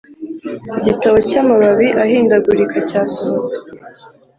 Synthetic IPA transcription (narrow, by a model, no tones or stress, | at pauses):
iɟitawo̞camaβaβiʔaɦiːndaɡuɾikʰacaːsoβt͡se̥